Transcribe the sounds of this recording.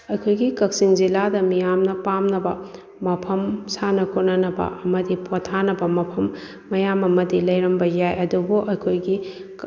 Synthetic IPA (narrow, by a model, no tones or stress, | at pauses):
ɐjkʰojɡikɐk̚siŋziladɐmijamnɐpamnɐbɐ | mɐpʰɐmsanɐkʰot̚nɐnɐbɐ̰ʔɐmɐdipʰotʰanɐbɐmɐpʰɐmː | ɐjamɐmɐdilɐjɾɐmbɐjajɐdubuʔɐjkʰojɡi